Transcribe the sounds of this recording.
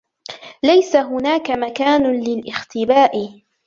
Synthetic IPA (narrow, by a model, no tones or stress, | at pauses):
lajsaɦʊnaːkamakaːnʊlɪlʔɪxt̪ɪbaːʔɪ